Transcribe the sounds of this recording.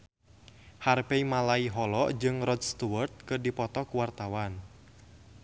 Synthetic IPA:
harpeimalaiɦɔlɔʔd͡ʒɨŋrɔd̚st̪uwərt̪̚kɨrdipɔt̪ɔkuwart̪awan

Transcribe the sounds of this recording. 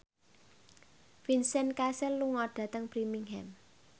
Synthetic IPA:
finsɛnkasɛlːuŋɔɖ̥ä̤t̪əŋpɾimiŋɦɛm

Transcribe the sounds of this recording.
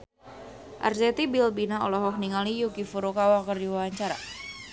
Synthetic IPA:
ʔa̰rsɛt̪ibilbinaɔ̰lɔɦɔk̚niŋalijukifuɾukawakərdiwawaɲt͡ʃaɾa̰

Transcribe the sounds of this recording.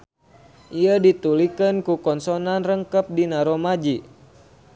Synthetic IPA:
ʔiədit̪ulikənkukɔnsɔnanrəŋkəp̚dinaɾomad͡ʒi

